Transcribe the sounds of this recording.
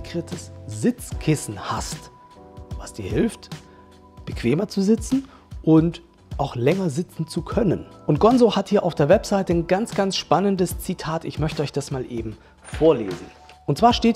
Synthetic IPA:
kʁɪtʰəsz̥ɪt͡skʰɪsn̩ha̰st | vasd̥iːɐhɪlft | b̥əkv̥eːmɐt͡suzɪt͡sn̩ | ʔʊnt | ʔaʊxlɛŋɐzɪt͡sn̩t͡sukʰœnənʔʊnt̚ɡ̥ɔnzohathiːɐʔa̰ʊfd̥eːɐvɛpz̥aɪtənɡant͡sɡ̥ansʃpanəndəst͡sitʰaːtɪçmœçtəɔçd̥asmaːlʔeːbm̩ | foːɐlḛːzn̩ | ʔʊntt͡sv̥aːɐʃteːt

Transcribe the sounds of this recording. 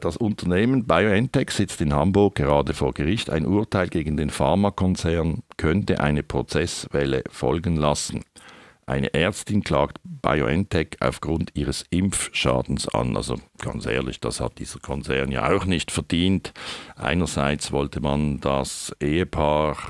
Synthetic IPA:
d̥asʊntɐneːmənbaɪoɛntɛksɪt͡stɪnhambʊɐk̚ɡ̥əʁaːdəfoːɐɡəʁɪçta̰ɪnʔuːɐtʰaɪlɡeːɡn̩deːnfaʁmakʰɔnt͡sɛɐnkʰœntəʔa̰ɪnəpʁ̥ot͡sɛsvɛlə̰fɔ̰lɡən̩lasn̩ | ʔa̰ɪnə̰ʔɛɐt͡stɪnkʰl̥aːktb̥a̰ɪo̰ʔɛntʰɛkʰa̰ʊfɡ̥ʁʊntʰiːʁəsɪmfʃa̰ːd̥n̩sa̰nʔa̰lzo̰ɡ̥ɑ̰nt͡sʔɛ̰ːɐlɪ̰çd̥a̰sha̰t̚d̥ḭːz̥əkʰɔnt͡sɛɐnja̰ːa̰ʊxnɪçtfɛɐdiːntʔa̰ɪnəzaɪt͡svɔltʰəmandasʔeːəpʰaːʁ

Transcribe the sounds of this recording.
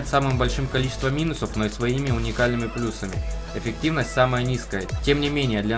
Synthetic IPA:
ɪt̪samɨmbɐlʲʂɨmkɐlʲit͡ɕɪ̥st̪vəmʲinʊsəfnoɪsvɐimʲɪʊnʲɪkalʲnɨmʲɪplʲusəmʲɪ | ɪfʲɪk̚tʲivnəsʲtʲsaməjənʲiskəjətʲe̞mnʲɪmʲenʲɪjəd̪lʲɐ

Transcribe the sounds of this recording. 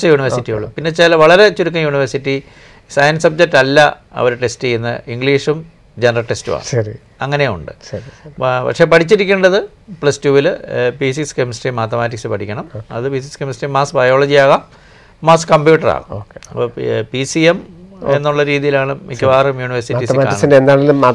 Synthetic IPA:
t͡ɕːɐjuːɳiʋɐɾsitːijṵɭːṵmpinːe̞t͡ɕelɐʋɐɭɐɾet͡ɕuɾuk̬ːɐjuːɳiʋɐɾsitːi | sɐjɐnsɐb̚d͡ʑek̚tːɐlːɐ | ɐ̰ʋoɾuʈe̞stiinːɨ̰ʔiŋɡɭiːʂum | d͡ʑenɐrɐʈestṵʋa̰ːɳɨɾi | ɐŋːɐneṵɳɖɨ̰ | pɐ̰kʂepɐʈʰit͡ɕːiɾikʲːeɳɖɐðɨ | pɭɐstuːʋilpiːsikskemsʈimaːt̪ːɐmaːtːiksɨpɐʈʰikʲːɐɳɐmɐ̰ðɨpiːsikskemsiʈːimaːsbɐjo̞ːɭɐd͡ʑijaːɣamː | aːskɐmbjuːʈːɐra̰ːɣɐ̰oːkepisiemenːuɭːɐɾiːðijilaːɳɨmikʲːɐʋaːrɐmjuːɳiʋɐrsitːisːkːɳɐsindend̪aːɭilum

